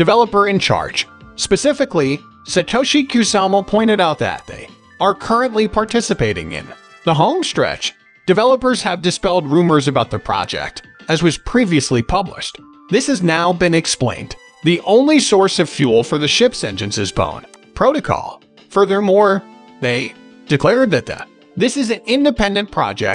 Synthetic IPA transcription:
d̥ɨvɛlˠəpə˞ɨ̃nt͡ʃʰɑ̰ɹd̥ʒ̥spɨsɪfɨkli | sɨtʰoʊʃikʰj̥ʉsɑml̩ˠpʰɔ̃ɪ̃ɾ̃ɨɾaʊt̪̚ðɨ̰t̪̚ðḛɪ | ə˞kʰɜ˞ɨ̃nʔlipʰɑɹtʰɪsɨpeɪɾɪ̰̃ŋɪ̰̃n | ðəɦõʊ̃mstɹ̥ɛ̰t͡ʃ | d̥ɨvɛlˠəpə˞z̥ɨvdɨspɛlˠd̚ɹʉmə˞zɨbaʊt̪̚ðɨpʰɹ̥ɑ̰d͡ʒɛ̰k̚t | ɨzwʌz̥pʰɹ̥iviɨslipʰʌblɪ̰ʃt | ðɪshɨznaʊbɨ̃nɨksplḛ̃ɪ̃n | ðiʔõʊ̃nlisɔɹsʌv̥fjulˠfə˞ðɨʃɪpsɛ̃nd͡ʒɨ̃nsɨzbõ̰ʊ̃n | pʰɹ̥oʊɾɨkʰɔ̰lˠ | fɜ˞ðə˞mɔɹ | ðeɪd̥ɨkʰl̥ɛɹd̪̚ðɨt̪̚ðɨ̰ | ðɪsɨzɨ̃nɪ̃ndɨpʰɛ̃ndɨ̃npʰɹ̥ɑ̰d͡ʒɛ̰k̚t̚

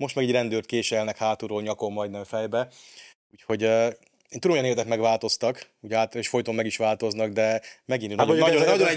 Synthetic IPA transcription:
mo̞ʃt̪mɛːɡɛɟrɛnd̪øːrt̪̚keːʃɛlnɛkhaːt̪uɾoːɲɒko̞mːɒjd̪nɛɱfɛjbɛ | uːcho̞ɟø | eːnud̪omojneːrt̪ɛkmɛɡʋaːlt̪o̞st̪ɒk | uɟaːt̪eːʃfo̞jt̪omːɛɡiʃʋaːlt̪o̞znɒɡd̪ɛmɛɡinnɒnɒnɒjonɛ

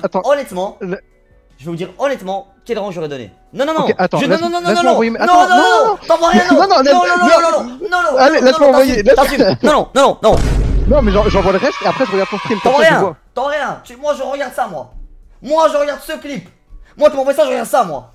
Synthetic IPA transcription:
at̪ɑ̃ɔnɛt̪mɑ̃l | ʒəvɛvud̪iʁɔnɛt̪mɑ̃ | kʲɛlʁɑ̃kʒɔʁɛd̪ɔnḛ | nɔ̃nɔ̃nɔ̃ʔat̪ɑ̃ʒ̃ñnɔ̃nɔ̃ɔ̃nɔ̃ɔ̃vajemɛanɔ̃nɔ̃nɔ̃ɔ̃ɑ̃vwaʁjɛ̃nɔ̃nɔ̃nɛ̃ɔ̃nɔ̃nɔ̃nɔ̃nɔ̃nɔ̃alelɛ̃m̃vwajelɛasinɔ̃nɔ̃nɔ̃nɔ̃nɔ̃nɔ̃mɛʒɑ̃ʒɑ̃vwaləʁɛst̪eapχɛʒəʁəɡaʁd̪sɔ̃sk̪χimt̪ɔ̃vwaʁjɛ̃wat̪ɑ̃vaʁjɛ̃t̪ymwaʒəʁəɡaʁd̪samwa | mwaʒəʁəɡaʁd̪səklip | mwat̪yɑ̃vajsaʒəʁəɡaʁd̪samwa̰

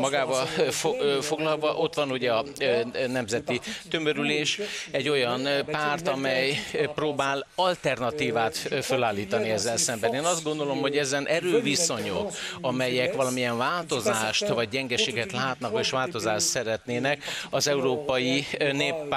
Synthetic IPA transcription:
mɒɡaːvɒffo̞ɡlɒlvɒʔo̞t̪ʋɒnuɟɛɒnɛmzɛt̪it̪ø̞møɾyleːʃɛɟːo̞jɒnpaːrt̪ɒmɛjproːbaːlɒlt̪ɛrnɒt̪iːvaːt̪følaːlːiːt̪ɒniɛzːɛlsɛmbɛneːnɒzd̪ɡo̞nd̪o̞lo̞mho̞ɟɛzɛnʔɛɾøːviso̞ɲokɒmɛjɛkʋɒlɒmijɛɱvaːlt̪o̞zaːʃt̪ʋɒɟ̚ɟɛŋɡɛʃeːɡɛt̪laːt̪nɒkeːʃʋaːlt̪o̞zaːʃt̪sɛɾɛt̪neːnɛkɒzɛuɾoːpɒjineːpː

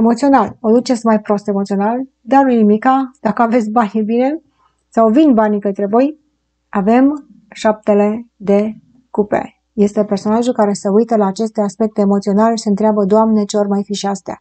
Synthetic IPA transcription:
emo̞t̪sio̞nalod̪ut͡ʃesmajpɾo̞st̪e̞mo̞t̪sio̞nal | d̪anunimikad̪̥akəave̞t̪sʲbanebine̞ | sawvinbanikət̪ɾe̞vo̞j | ave̞m | ʃap̚t̪e̞le̞d̪e̞ | kupḛ | je̞st̪e̞perso̞naʒulkaɾe̞səujt̪əlaːt͡ʃe̞st̪e̞aspe̞k̚t̪eːmot̪sio̞naleseɨnt̪ɾeabəd̪oamnet͡ʃeormajfiʃiast̪ea̰

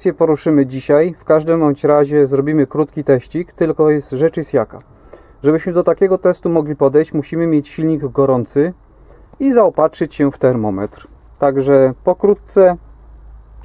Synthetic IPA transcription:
sʲjɛpɔɾuʂɘmɘd͡ʑiɕajfkaʐd̪ɛmɔt͡ɕɾaʑɛzɾɔbʲimɘkɾut̪kʲit̪ɛɕt͡ɕikt̪ɘlkɔjɛst̪ʐɛt͡ʂisʲjaka | ʐɛbɘɕmɘd̪ɔt̪akʲɛɡɔt̪ɛst̪umɔɡlʲipɔd̪ɛjt͡ɕmuɕimɘmʲjɛt͡ɕɕilɲiɡɡɔɾɔnt̪sɘ | izaɔpatʂɘt͡ɕɕɛft̪ɛɾmɔmɛ̰t̪ɾ | t̪aɡʐɛpɔkɾut̪̚t̪sɛ

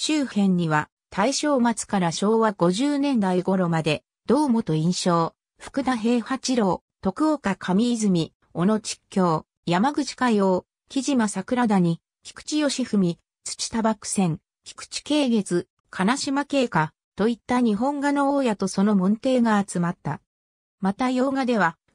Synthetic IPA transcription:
ɕɨːhẽ̞ɲ̟ːiβa | t̪ʰaiɕo̞ːmat͡sɨ̥kaɾaɕo̞ːβaɡo̞ʑɨːnẽ̞nd̪aiɡo̞ɾo̞mad̪e̞ | d̪̥o̞ːmo̞t̪o̞ĩɰ̃ɕo̞ː | ɸɯ̥kɯ̟d̪aɦe̞ːhat͡ɕiɾo̞ː | t̪o̞kɯ̟okakʰamʲiːzɨmʲi | o̞no̞t͡ɕi̥kʲːo̞ː | jamaɡɯ̟t͡ɕi̥kajo̞ː | kʲiʑimasakɯ̟ɾad̪aɲ̟i | kʲi̥kɯ̥t͡ɕijo̞ɕiɸɯ̟mʲi | t͡sɨ̥t͡ɕi̥t̪abakɯ̟̥sẽ̞ŋ | kʲi̥kɯ̟̥t͡ɕi̥ke̞ːɡe̞t͡sɨ | kʰanaɕimake̞ːka | t̪o̞it̪ːaɲ̟iɦõ̞ŋɡano̞oːjat̪o̞so̞no̞mõ̞nt̪e̞ːɡaːt͡sɨmat̪ːa̰ | mat̪ajo̞ːɡad̪e̞βa

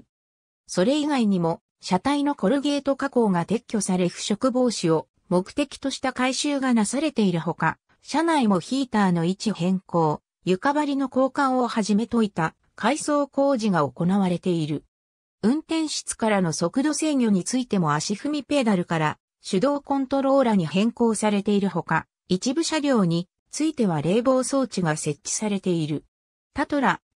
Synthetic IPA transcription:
so̞ɾe̞iɡaiɲ̟imo̞ | ɕat̪aino̞ko̞ɾɯ̟ɡe̞ːt̪o̞kako̞ːɡat̪e̞kʲːo̞saɾe̞ɸɯ̟̥ɕo̞kɯ̟bo̞ːɕio̞ | mo̞kɯ̟̥t̪e̞kʲi̥t̪o̞ɕi̥t̪akaiɕɨːɡanasaɾe̞t̪e̞iɾɯ̟ɦo̞ka | ɕanaimo̞çiːt̪aːno̞it͡ɕihẽ̞ŋko̞ː | jɯ̟kabaɾʲino̞ko̞ːkãɰ̃o̞haʑime̞t̪o̞it̪a | kʰaiso̞ːko̞ːʑiɡao̞ko̞naβaɾe̞t̪e̞iɾɯ̟ | ɯ̟̃nt̪ẽ̞ɰ̃ɕɨ̥t͡sɨ̥kaɾano̞so̞kɯ̟d̪o̞ːse̞ːɲʲo̞ɲ̟it͡sɨit̪e̞mo̞aɕiɸɯ̟mʲipe̞d̪aɾɯ̟kaɾa | ɕɨd̪o̞ːkõ̞nt̪o̞ɾo̞ːɾaɲ̟ihẽ̞ŋko̞ːsaɾe̞t̪e̞iɾɯ̟ɦo̞ka | it͡ɕibɯ̟ɕaɡʲo̞ːɲ̟i | t͡sɨit̪e̞β̞aɾe̞ːbo̞ːso̞ːt͡ɕiɡase̞t͡ɕt͡ɕːi̥saɾe̞t̪e̞iɾɯ̟ | t̪at̪oɾa

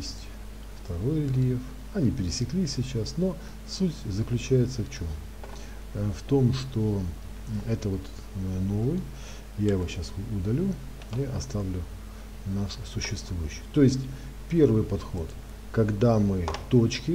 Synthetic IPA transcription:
jesʲtʲ | ft̪ɐɾo̞jʲɪlʲef | ɐnʲipʲɪɾʲɪsʲɪklʲisʲɪt͡ɕasno̞ | sutʲzəklʲʉt͡ɕæjɪt̪səft͡ɕom | ft̪o̞mʂt̪o̞ | ɛt̪əvo̞t̪ | əno̞vɨj | jaɪvo̞ɕasʊd̪ɐlʲu | iʔɐst̪avlʲʊ | naʂsʊɕːɪst̪vujʏɕːɪ̥jt̪o̞jɪsʲtʲ | pʲe̞rvɨjpɐt̪xo̞t̪ | kɐɡd̪amɨt̪ot͡ɕkʲɪ

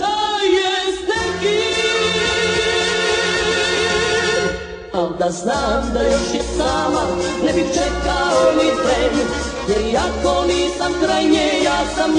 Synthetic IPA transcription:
t̪ajɛsnɛki | ald̪aznaːmd̪ajoʃjɛsaːmanɛbixt͡ʃɛkaomip̪ɾeːmju | jɛɾiakoniːsamkɾajɲejaːsam

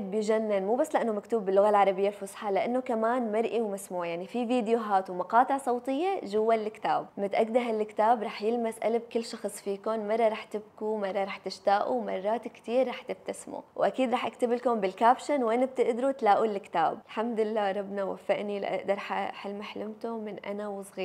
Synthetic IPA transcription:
d̪bjʒanːɪnmuːbasːlɪʔanːomakt̪uːbːɪlːʊɣalʕɑɾˤɑbɪjːalfʊsˤħɑlɪʔanːʊkamaːnmɑɾˤʔiwmasmuːʕjaʕnifiviːd̪jʊɦaːt̪wmɑqɑːt̪ˤɪʕsˤɑwt̪ˤɨjːaʒʊwːallɪkt̪aːb̚mɪt̪ʔaɡd̪aɦalːɪkt̪aːbɾˤɑːħjɪlmasʔa̰lab̚kɪlːʃɑxsˤfiːkʊnmɑrˤːɑɾˤɑːħt̪ɪb̚kumɑrˤːɑɾˤɑːħt̪ɪʃt̪aːʔumɑ̰rˤːɑːt̪kt̪iːɾːɑːħt̪ɪbt̪asmṵwʔakiːd̪ɾˤɑːħʔakt̪abɪlkʊmbɪlkaːbʃanwʔanab̚t̪ɪʔd̪ɾut̪laːʔulːɪkt̪a̰ːblħamd̪ɪlːaːɾˤɑbnawa̰fːaʔnilʔa̰ʔd̪ɑɾˤħaħɪlmaħlɪmt̪ʊmɪnʔa̰nawsˤɣiːɾ

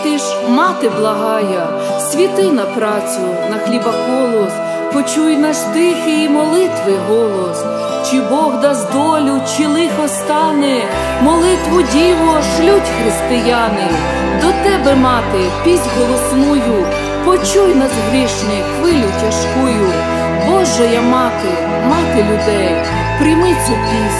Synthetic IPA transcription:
t̪ɪʃ | mɑt̪ɪblˠɐɦɑjɐ | sʲʋʲit̪ɪnɐpɾɑt͡sʲʊ | nɐxlʲibɐkɔlˠɔs | pɔt͡ʃujnɐʃt̪ɪxɪimɔlˠɪt̪ʋɪɦɔlˠɔs | t͡ʃɪbɔɦd̪ɑzd̪ɔlʲʊt͡ʃɪlˠɪxɔst̪ɑnɛ | mɔlˠɪt̪ʋʊdʲiʋɔʃlʲutʲxɾɪst̪ɪjɑnɪ | d̪ɔt̪ɛbɛmɑt̪ɪpʲizʲɦɔlˠɔsnujʊ | pɔt͡ʃujnɐzɦɾʲiʃnɪxʋɪlʲʊtʲɐʃkujʊ | bɔʒɛjɐmɑt̪ɪ | mɑt̪ɪlʲʊd̪ɛj | pɾʲimɪt͡sʲɐpʲisʲ

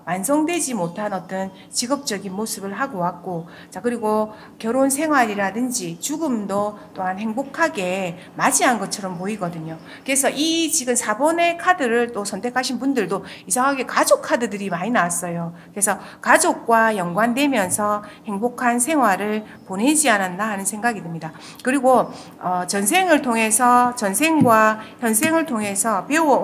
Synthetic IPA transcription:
wansʰʌŋdwe̞d͡ʑimotʰanʌt͈ʌn | t͡ɕiɡʌp̚t͡ɕ͈ʌɡinmosʰɯbɯɭɦaɡowak̚k͈o | t͡ɕakɯɾiɡo | kjʌɾonsʰe̞ŋɦwaɾiɾadɯnd͡ʑit͡ɕuɡɯmdʌt͈oɦanhe̞ŋbokʰaɡe̞ | mad͡ʑiɦannɡʌt͡ɕʰʌɾʌmpoiɡʌdɯɲo | kɯɾe̞sʰʌʔit͡ɕiɡɯmsʰabʌne̞kʰadɯɾɯɭt͈osʰʌntʰe̞kʰaɕʰinpundɯɭdoisʰaŋɦaɡe̞kad͡ʑokʰadɯdɯɾimaɲinawas͈ʌjokɯɾe̞sʰʌkad͡ʑok̚k͈wajʌŋɡwandwe̞mjʌnsʰʌhe̞ŋbokʰansʰe̞ŋɦwaɾɯɭ | pone̞d͡ʑianandaɦanɯnsʰe̞ŋɡaɡidɯmɲida | kɯɾiɡo | ʌt͡ɕʌnsʰe̞ŋɯɭtʰoŋe̞sʰʌt͡ɕʌnsʰe̞ŋɡwaçjʌnsʰeŋɯɭtʰoŋe̞sʰʌpe̞uʌ

